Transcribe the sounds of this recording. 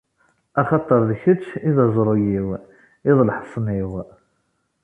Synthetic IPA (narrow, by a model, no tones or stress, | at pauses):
æχɑt̪ˤːəɾˤðçət͡ʃːiðæzˤɾˤujiw | iðˤlħə̥sˤniw